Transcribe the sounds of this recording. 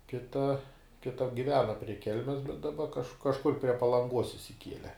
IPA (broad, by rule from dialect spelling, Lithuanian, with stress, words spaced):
ˈkʲɪtɐ kʲɪtɐ ɡʲɪˈʋʲæːnɐ pʲrʲiɛ ˈkʲɛlʲmʲɛs bʲɛt dɐˈbɐ kɐʃ kɐʃˈkʊr pʲrʲiɛ pɐlˠɐŋˈɡuɔs ɪʃʲsʲɪˈkʲiɛlʲɛ